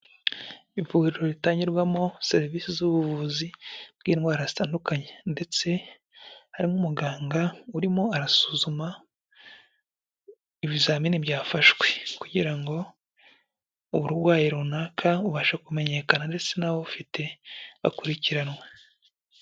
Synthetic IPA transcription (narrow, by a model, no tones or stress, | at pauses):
ivuɡiɾiɾoɾitaːɲɟiɾɡwamo̞se̞ɾiviːsizuβuvuzibɡiːnɡwaːɾazitaːndukaɲe̞nde̞t͡se̞ | haɾimŋumuɡaːŋɡauɾimo̞aɾasuːzuma | iβizaːminibjaːfaʃwe̞kuɟiɾaŋɡo̞ | uβuɾwaːjiɾunaːkʰauβaːʃakume̞ɲe̞ːkanande̞t͡se̞naβofite̞βa̰kuɾiciɾanwe